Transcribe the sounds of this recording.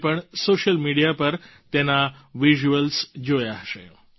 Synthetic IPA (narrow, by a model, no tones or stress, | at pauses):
pəɳsoʃəlmiɽijapəɾt̪enaʋiʒuəlsd͡ʒojaɦʃḛ